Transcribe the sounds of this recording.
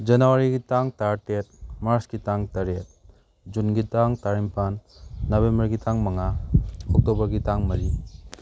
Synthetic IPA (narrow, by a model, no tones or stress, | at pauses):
d͡ʒɐnuwaɾiɡitaŋtaɾtet̚maɾsɡitaŋtaɾet̚ | d͡ʒunɡitaŋtaɾimpʰanːɐbembɐɾɡitʰaŋmɐŋaɔk̚tobɐɾɡitaŋmɐɾi